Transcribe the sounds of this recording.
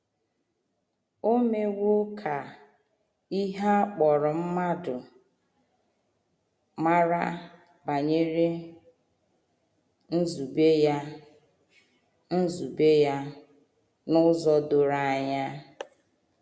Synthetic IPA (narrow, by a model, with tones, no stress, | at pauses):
o˦me˦wo˦kʰa˨ | i˦ɦa˦k͡pɔ˨ɾʊ˨m̩˦ma˦dʊ˨ | ma˦ɾa̰˦ | ba˨ɲe˦ɾe˦ | n̩˦zu˨be˦ja˦ | n̩˦zu˨be˦ja˦ | nʊ˦zɔ˦do˨ɾa˨a˨ɲa˦